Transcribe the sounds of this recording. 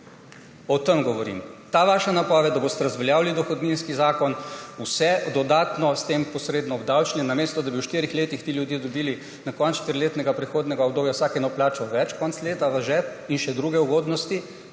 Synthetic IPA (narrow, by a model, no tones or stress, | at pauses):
ɔt̪əmɡɔʋɔɾḭmt̪aʋaːʃanapɔʋɛd̪d̪abost̪ɛɾɐzʋɛljaːwlid̪ɔxɔd̪ninskizaːkɔnusɛd̪ɔd̪aːt̪nɔst̪empɔsɾeːd̪nɔbd̪awt͡ʃnʲinameːst̪ɔd̪abiwʃt̪iɾixleːt̪ixt̪iljud̪jeːd̪ɔbiːli | nakɔnsʃt̪əɾileːt̪nɛɡapɾɛxoːd̪nɛɡaɔɡd̪oːbjawsaːkɛnɔplaːt͡ʃɔʋɛt͡ʃkɔnt̪sleːt̪aʋɐʒɛt̪inʃɛd̪ɾuːɡɛuɡoːd̪nɔst̪i